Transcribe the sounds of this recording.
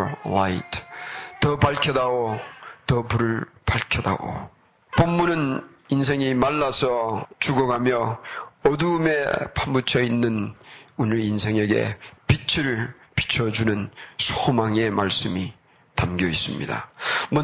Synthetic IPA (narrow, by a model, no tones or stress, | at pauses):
waitʰtːʌpaɭkʰʌdaɡot̪ʌpuɾɯɭpaɭkʰjʌda̰ɡo̰ | pomːunɯn | ins̬ʰe̞ŋimaɭːasʰʌt͡ɕuɡʌɡamjʌʌduːmepʰambut͡ɕʰʌinːɯnunɯɾinsʰe̞ŋe̞ɡe̞̰pit͡ɕʰɯɾɯɭ | pi̥t͡ɕʰʌd͡ʑunɯnsʰomaŋe̞maɭs͈ɯmi | tamɡjʌis͈ɯmɲḭda̰mʌ